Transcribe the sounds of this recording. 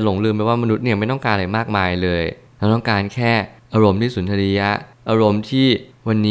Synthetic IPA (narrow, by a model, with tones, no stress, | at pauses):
lo˩˦ŋlɯː˧mpɛ˧˩waː˥˩ma˧nu˦t̪̚ni˥˩ma˥˩jt̪ɔ˥˩ŋkaː˧nʔa˧ɾa˧jmaː˥˩k̚maː˧jlɤː˧j | la˦˥wt̪ɔ˥˩ŋkaː˧nkʰɛː˥˩ʔaː˧ɾo˧mt̪iː˥˩su˩˦ntʰa˧ɾi˦˥a˦˥ʔaː˧ɾo˧mt̪ʰiː˥˩wa˧nːiː˦˥